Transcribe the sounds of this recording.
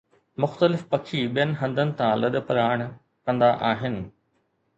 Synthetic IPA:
mʊxt̪əlɪfpɐkʰiɓijənɪ̆ɦɐ̃nd̪ənɪ̆t̪ʰãlɐɗ̆pəɾaːɪɽ̃ | kɐ̃nd̪aʔaːɦɪnɪ̆

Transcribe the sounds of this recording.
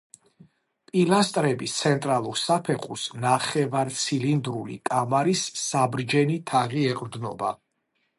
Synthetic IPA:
pʼilast̪ʼɾɛbist̪sʰɛnt̪ʼɾalˠuɾsapʰɛχʰusnaχɛvaɾt̪sʰilind̪ɾulḭkʼamaɾisːabɾd͡ʒɛnit̪ʰaʁiɛqʼɾd̪nɔ̰ba̰

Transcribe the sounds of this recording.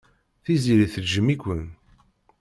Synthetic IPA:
θiziɾiθəlʒːəmikʷːən

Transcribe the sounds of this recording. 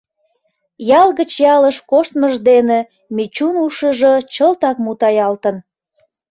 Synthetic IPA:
jɑlɣət͡ɕjɑləʃkoʃt̪məʒd̪ene | mit͡ɕunuʃəʒot͡ɕəlt̪ɑkmut̪ɑjɑlt̪ən

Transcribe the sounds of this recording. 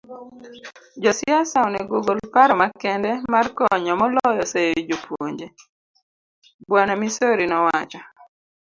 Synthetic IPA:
d͡ʒɔsɪasawnɛɡoɡolpaɾɔmakɛndɛmarkɔɲɔmɔlɔjɔsejod͡ʒopwoɲd͡ʒe | bwanamisoɾinɔwat͡ʃɔ

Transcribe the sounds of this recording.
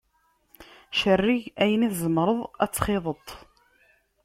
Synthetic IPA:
ʃərːiʝæjəniθzəmɾˤəðˤæ̰t͡sːχɪðˤət̪ˤ

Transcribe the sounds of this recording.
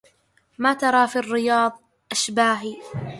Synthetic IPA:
maːt̪ɑɾˤɑːfiːrːɪjɑːðˤ | ʔaʃbaːɦiː

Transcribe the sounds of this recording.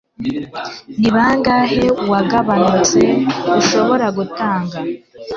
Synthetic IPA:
niβaŋɡahe̞waɡaβanut͡se̞uʃo̞βo̞ɾaɡutaːŋɡa

